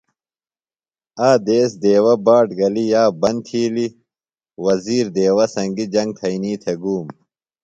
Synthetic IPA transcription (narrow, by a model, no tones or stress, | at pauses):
aːd̪eːsd̪eːwɐbaːʈɡɐlijaːbɐnt̪ʰiːli | wɐziːɾd̪eːwɐsɐŋɡid͡ʑɐŋɡ̚t̪ʰɐiniːt̪ʰeɡuːm